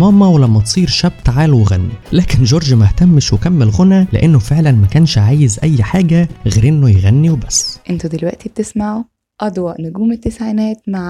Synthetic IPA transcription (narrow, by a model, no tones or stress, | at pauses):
mɑːmːæwelæmːæt̪sˤiːɾʃæb̚t̪ʕaːlweɣænːilæːkenʒoːɾˤʒmæht̪æmːeʃwekæmːelɣonælḛʔenːofeʕlænmækæːnʃʕaːjezʔæjːħaːɡæɣeːɾʔenːojeɣænːiwebæsːʔent̪ud̪elwæʔt̪ib̚t̪esmaʕu | ʔɑd̪wɑʔnʊɡuːmet̪ːesʕinæːt̪maʕ